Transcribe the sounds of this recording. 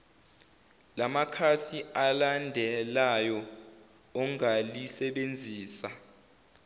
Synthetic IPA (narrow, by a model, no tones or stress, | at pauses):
lamakʰasialandʱɛlajɔ | ɔŋalisɛɓend͡zʱiːsa